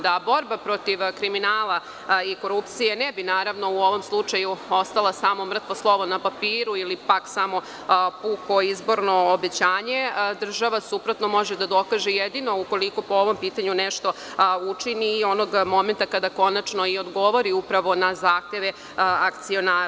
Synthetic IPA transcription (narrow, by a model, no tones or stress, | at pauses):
d̪abo̞ɾbapɾo̞t̪iʋkɾiminaːlˠa | iko̞ɾupt̪sijenɛbinaːɾaʋno̞uo̞ʋo̞mslˠut͡ʂajuo̞st̪alˠasaːmo̞mr̩t̪ʋoslˠo̞ʋonapapiːɾuilipaksamo̞ | puko̞izbo̞ɾno̞ːbe̞t͡ɕaːɲe̞d̪r̩ʒaʋasupɾot̪no̞mo̞ʒed̪ad̪o̞kaʒejed̪ino̞uko̞liko̞po̞oʋompiːt̪aɲunɛʃt̪o̞ | ut͡ʂiniːo̞noɡmo̞ment̪akad̪ako̞nat͡ʃno̞iod̪ɡo̞ʋo̞ɾiupɾaʋo̞nazaːxt̪eʋe | akt̪sio̞naːɾ